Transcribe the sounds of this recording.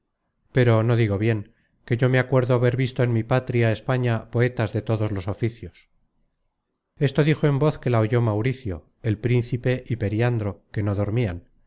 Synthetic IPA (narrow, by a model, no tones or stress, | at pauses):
pe̞ɾo̞no̞ðiɣo̞βje̞ŋ | ke̞ʝo̞me̞akwe̞ɾðoaβe̞ɾβist̪o̞enmipat̪ɾiaespaɲapo̞e̞t̪azðe̞t̪o̞ðo̞zlo̞sofiθjo̞s | e̞st̪o̞ðixo̞e̞mbo̞θke̞laoʝo̞mawɾiθjo̞̰ | elpɾin̟θipe̞ʔipe̞ɾjand̪ɾo̞ke̞no̞ðo̞ɾmian